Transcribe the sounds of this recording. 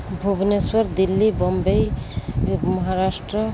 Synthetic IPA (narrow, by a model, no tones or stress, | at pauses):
bʱubneswɔɾd̪ilːibɔmbej | mɔɦaɾasʈɾɔ